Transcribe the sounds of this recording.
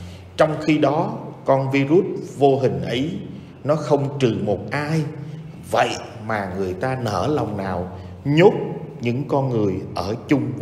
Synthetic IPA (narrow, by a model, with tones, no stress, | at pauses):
t͡ɕɔ˧wŋ͡mxi˧ɗɔ˨˦kɔ˧nvi˧zu˦˥t̚vo˧ɦï˨˩ŋ̟ʔə˨˦j | nɔ˨˦xə˧wŋ͡mt͡ɕɨ˨˩mo˨˩t̚ʔaː˧j | və̰˧˨j | maː˨˩ŋɨ˨˩əjt̪aː˧nəː˧˩lɔ˨˩wŋ͡mnaː˨˩w | ɲo˦˥t̚ɲɨ̰˧˥ŋkɔ˧nŋɨ˨˩əjʔəː˧˩t͡ɕʊ˧ŋ͡m